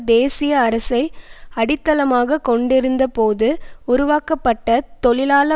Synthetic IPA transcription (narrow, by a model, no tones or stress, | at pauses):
d̪eːsɪjɐːɾɐsɐɪɐɽɪt̪ːɐlɐmaːɣɐkɔɳɖɪɾɯnd̪ɐpoːðɯʊɾʊʋaːkɐpːɐʈːɐt̪ɔɭɪlaːlɐ